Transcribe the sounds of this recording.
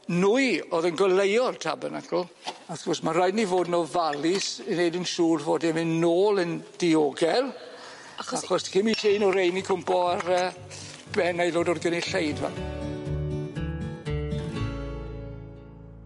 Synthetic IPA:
nuɨoðənɡɔlˠejɔrtʰa̰bənakʰɔlˠ | aθɡ̥ɔsmarajdnivoːdnɔvalɪsnejdənʃuːrvoːdɛmɪnːoːlˠənd̥ɪoːɡɛlˠ | axɔsd̥kɪmitʰenɔɾejnikʰʊmpɔarəː | b̥ɛnajloːdɔdɡəniɬejdvɛ̰l

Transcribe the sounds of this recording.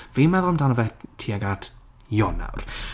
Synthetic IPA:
vimɛðɔlˠmdanəvɛtʰːiːaɡatʰ | jɔna̰wr

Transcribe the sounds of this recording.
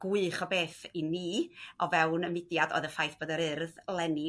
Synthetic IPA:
ɡ̥ʊɨχɔbeːθiniːɔvɛwnəmɪdjadɔ̰ːɨðəfajθb̥oːdaɾɨrðlˠɛni

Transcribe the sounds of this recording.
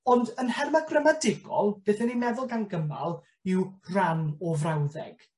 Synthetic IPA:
ɔndənhɛrmaɡrəmadɪɡɔ̰lˠb̥eːθənimɛðʊlˠɡanɡəma̰lˠ | ɪwranɔvrawðɛ̰ɡ̥

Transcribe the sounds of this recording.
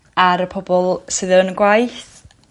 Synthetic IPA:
aɾəpʰɔbɔlˠsɨðənəɡwajθ

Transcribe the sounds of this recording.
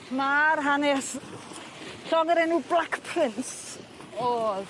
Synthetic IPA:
marɦanɛs | ɬɔŋəɾɛnuːblakpʰrɪnss | ɔð

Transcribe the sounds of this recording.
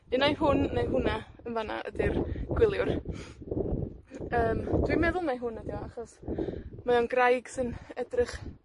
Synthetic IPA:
ɨnajɦʊnːejɦʊna | ənvana̰ʔə̰dɪrɡ̥wɪlˠjʊr | əːmd̥wimɛðʊlˠnajɦʊnədjɔaχɔsmaɔnɡrajɡ̥sɨnədrɪχ

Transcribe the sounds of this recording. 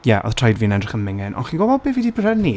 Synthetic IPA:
jɛʔɔ̰ð̥tʰrajdviːənɛdrɪχənmɪŋɪnʔɔ̰nχinɡɔbɔd̚bɪːvidibʰɾɛni

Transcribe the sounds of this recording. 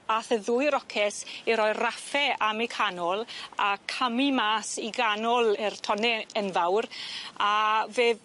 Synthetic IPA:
aθəðuːjɾɔkʰɛsiɾɔjrafɛamikʰanɔlˠakʰamimaːsiɡanɔlˠɪrtʰɔnɛənvawraveːð

